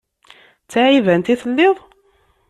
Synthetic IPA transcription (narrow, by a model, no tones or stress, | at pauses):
t͡sːaʕivænt̪iθəlːeðˤ